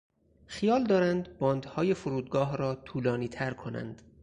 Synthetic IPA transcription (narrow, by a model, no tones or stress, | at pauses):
xijɒːld̪ɒːɾænd̪bɒːnd̪hɒːje̞foɾuːd̪ɡɒːɦɾɒːt̪ʰuːlɒːniːt̪ʰæɾkʰonæ̰nd̪̥